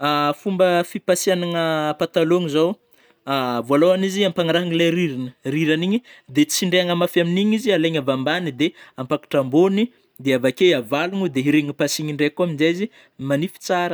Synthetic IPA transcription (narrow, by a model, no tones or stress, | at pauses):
afumbəfipasianaŋəpat̪aloŋizow | avoalowaniziampaŋaɾaɦaŋilaɾiɾinəriɾaniɲid̪et͡siɳɖ͡ʐeaŋamafaminiɲizialeɲavambanid̪eampakḁʈ͡ʂamboni | d̪eavakejavalunud̪eɦiɾeŋipasiɲiɳɖ͡ʐekuaminzezi | manifi̥t͡saɾə